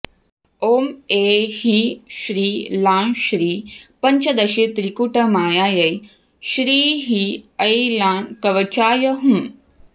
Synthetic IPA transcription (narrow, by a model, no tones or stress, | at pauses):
oːmeːhiʃɾiːlaːnʃɾiːpɐɲt͡ʃɐd̪ɐʃet̪ɾikuʈɐmaːjaːjɐj | ʃɾiːɦiɐjlaːnkɐʋɐt͡ʃaːjɐɦũː